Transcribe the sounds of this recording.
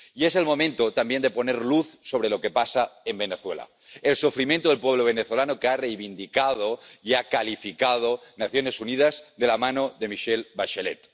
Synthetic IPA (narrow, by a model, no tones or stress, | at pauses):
ie̞se̞lmo̞mẽnt̪ot̪ambje̞nd̪e̞po̞ne̞ɾluθso̞β̞ɾelo̞ke̞pasaembe̞neθwḛla̰ | elsufɾimjent̪oðelpwe̞βloβeneθolanokearejβind̪ikað̞oiakalifikað̞onaθjo̞ne̞sunið̞azðe̞lamano̞ðe̞miʃelβaʃelet̪